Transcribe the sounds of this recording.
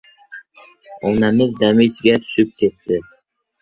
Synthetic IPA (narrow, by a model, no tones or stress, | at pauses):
ɒnamɪzd̪amɪt͡ʃɡʲat̪ʰʊ̥ʃɪp̚kʲʰe̞t̪ʰːɪ